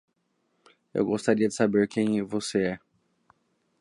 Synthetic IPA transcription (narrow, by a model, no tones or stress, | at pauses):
ḛwɡost̪aɾiɐd͡ʒɪsabeɾkʰẽj̃voseɛ